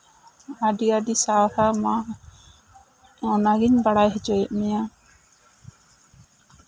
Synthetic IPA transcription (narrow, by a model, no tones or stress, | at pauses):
aɖiadisawhama | ɔnaɡiɲbaɽajɦɛd͡ʒɔjɛʔ̚mɛja